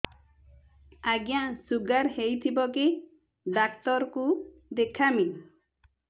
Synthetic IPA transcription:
aɡjãsuɡaɾhejt̪ʰibɔki | ɖakt̪ɔɾkud̪ekʰami

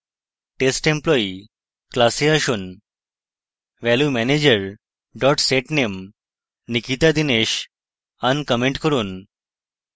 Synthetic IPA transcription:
ʈesʈemplɔi | klaseəɕuːn | ʋɛljumɛned͡ʑəɾ | ɖɔʈseʈnem | nikit̪ad̪ineɕ | ənkəmeɳʈkəɾuːn

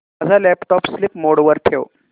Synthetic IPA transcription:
əd͡zʱalɛpʈɔpslipmoɽʋəɾʈʰew

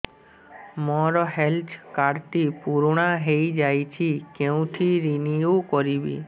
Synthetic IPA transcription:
mɔɾɔɦeltʰkaɾt̪ipuɾoɽ̃aɦejd͡ʒajt͡ɕʰikew̃ʈ̪ʰiɾiniokɔɾibḭ

